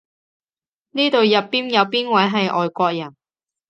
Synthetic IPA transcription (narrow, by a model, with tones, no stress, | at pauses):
niː˥t̪o˨ɥjɐ˨pːiː˥njɐ˨˧wpiː˥nwɐ˨˥jɦɐ˨jʔɔː˨jkʷɔː˧k̚jɐ˨˩n